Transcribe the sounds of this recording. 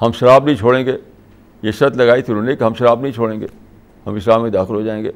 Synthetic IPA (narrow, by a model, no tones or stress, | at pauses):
hɐmʃɐɾaːbnɐɦĩt͡ʃʰoːɽẽːŋɡeː | jeʃɐt̪lɐɡaːit̪ʰiɾunekɦɐmʃɐɾaːbnɐɦĩt͡ʃʰoːɽẽːŋɡeː | hɐmɪʃɾaːbmid̪aːxɪlɦod͡ʒaːẽːŋɡeː